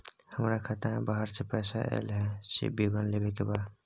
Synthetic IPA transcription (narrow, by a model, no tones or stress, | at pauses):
həmɾakʰat̪aɦɛ̃baːɦəɾsepɛːsaʔḛːlɦɛ̃sḛbiɡənleːbekebaːd̪